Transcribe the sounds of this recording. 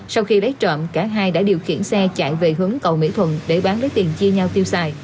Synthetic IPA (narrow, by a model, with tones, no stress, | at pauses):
sa˧wxi˧lə˨˦jt͡ɕə̰ː˧˨mkaː˧˩ɦaː˧jɗa̰ː˧˥ɗi˨˩əwxḭ˧˩ənsɛ˧t͡ɕa̰ː˧˨jve˨˩ɦɨ˨˦əŋkə˨˩wmḭ˧˥t̪ʰwə˨˩nɗe˧˩ɓaː˨˦nɗə˨˦jt̪i˨˩nt͡ɕi˧əɲa˧wt̪i˧əwsaː˧j